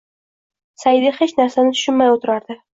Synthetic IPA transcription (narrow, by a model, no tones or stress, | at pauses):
sajɪd̪ɪχet͡ʃnaɾsanɪt̪ʰʊ̥ʃɪnmajot̪ʰɪɾaɾd̪ɪ